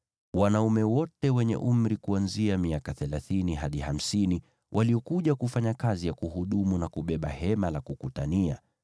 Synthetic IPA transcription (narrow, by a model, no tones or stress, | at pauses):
wanaumɛwɔtɛwɛɲɛ̰ʔum̩ɾikuanziamiakaθɛlaθiniɦaɗiham̩sini | wʔaliɔkuʄakufaɲakazijakuhuɗumunakuɓɛɓahɛmalakukutania̰